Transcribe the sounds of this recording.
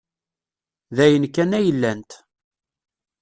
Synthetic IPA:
ðæjənkːænæjəlːænt̪

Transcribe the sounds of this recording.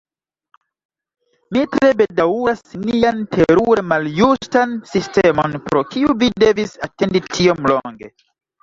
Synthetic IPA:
mitɾe̞be̞dauɾasniantʰe̞ɾuɾe̞maljustansistemo̞npɾo̞kiuvide̞visate̞nditʰio̞mloŋɡe̞̰

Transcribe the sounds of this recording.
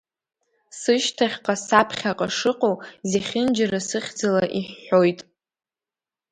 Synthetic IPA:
sɨʃtʰaχʲqʼasapʰχʲaqʼaʂɨqʼozeχʲɪnd͡ʒarasɨχʲd͡zalaʔiħːo̞jtʼ

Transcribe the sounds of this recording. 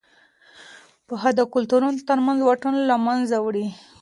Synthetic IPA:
pəɦad̪akʊlt̪uɾunot̪əɾmanzwaʈanlamanzawɽi

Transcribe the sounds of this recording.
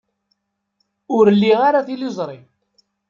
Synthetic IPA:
ʊɾlːiʁaɾaθilizˤɾˤi

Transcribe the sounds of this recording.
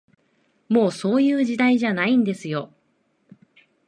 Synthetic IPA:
mo̞ːso̞ːjɯ̟ːʑid̪aiʑanaĩnd̪e̞sɨjo̞

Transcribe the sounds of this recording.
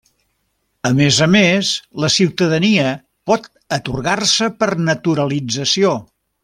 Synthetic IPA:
əmezəmesləsiwt̪əðəniə | pɔt̪ | ət̪urɣarsəpərnət̪uɾəlid͡zəsio

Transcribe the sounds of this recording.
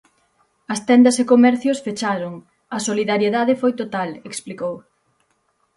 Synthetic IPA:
ɐst̪ɛnd̪ɐsekomɛɾθjosfet͡ʃaɾoŋ | ɐsoliðaɾjeðaðefojt̪ot̪aleksplikow

